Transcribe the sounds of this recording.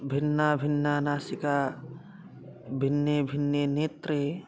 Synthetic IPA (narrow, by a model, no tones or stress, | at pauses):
bʱɪnːabʱɪnːanaːsika | bʱinːjebʱinːjeneːt̪ɾe